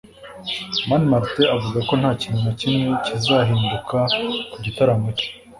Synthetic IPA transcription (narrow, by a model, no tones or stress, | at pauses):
manmaɾteavuɡako̞n̥haːcininacimŋecizaɦiːndukakuɟitaɾamoco̥